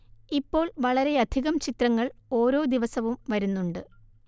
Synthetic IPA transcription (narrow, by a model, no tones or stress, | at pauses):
ipːo̞ːɭʋɐɭɐɾe̞ɐd̪ʱiɣɐmt͡ɕit̪rɐŋːɐɭo̞ːɾo̞ːd̪iʋɐsɐʋumʋɐɾunːuɳɖɨ